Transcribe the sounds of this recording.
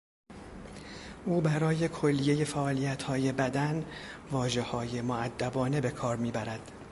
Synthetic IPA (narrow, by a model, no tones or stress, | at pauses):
ʔuːbæɾɒːje̞kʰo̞lːije̞je̞fæʔɒːlijæt̪hɒːje̞bæd̪ænvɒːʒe̞hɒːje̞moæd̪ːæbɒːne̞be̞kʰɒːɾmiːbæɾæd̪̥